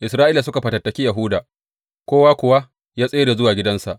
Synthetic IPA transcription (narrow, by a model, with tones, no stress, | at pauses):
ʔɪ˨sɾaː˦ʔiː˦la˨sʊ˦ka˨ɸɐ˨tɐ˨tːɐ˨kʲi˦ja˨ɦʊ˦daː˨ | kʷoː˦waː˦kʷʊ˨wa˦ | jaː˦sʼeː˦ɽeː˨zʊ˦waː˨ɡʲɪ˦dɐ˦nsa˨ʔ